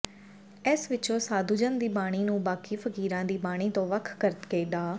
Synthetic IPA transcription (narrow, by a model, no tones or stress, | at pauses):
ɪsʋɪt͡ʃõːsaːd̪uːd͡ʒənd̪iːbaːɽ̃iːnũːbaːkiːpʰəkiːɾãːd̪iːbaːɽ̃iːt̪õːʋəkʰkəɾət̪keːɖaː